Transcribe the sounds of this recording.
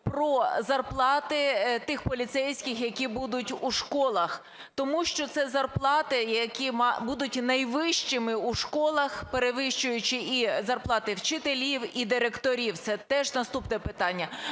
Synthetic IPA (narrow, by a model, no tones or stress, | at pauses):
pɾɔzɐrplˠɑt̪ɪt̪ɪxpɔlʲit̪sɛjsʲkʲɪxjɐkʲibud̪ʊtʲuʃkɔlˠɐx | t̪ɔmuʃt͡ʃɔt̪sɛzɐrplˠɑt̪ɪjɐkʲimɑbud̪ʊtʲnɐjʋɪʃt͡ʃɪmɪuʃkɔlˠɐxpeɾeʋɪʃt͡ʃʊjʊt͡ʃɪizɐrplˠɑt̪ɪwt͡ʃɪt̪elʲiwid̪ɪɾekt̪ɔɾʲiwt̪sɛt̪ɛʒnɐst̪upnɛpɪt̪ɑnʲːɐ